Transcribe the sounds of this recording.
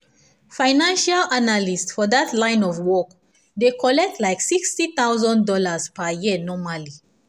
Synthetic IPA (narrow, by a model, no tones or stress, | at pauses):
fãɪnãnʃalanalistfɔdatʰlãɪ̃nɔvwɔk | d̪ekʰɔlɛk̚tʰlaɪksikstit̪awzɔ̃ndɔlazpajinɔmali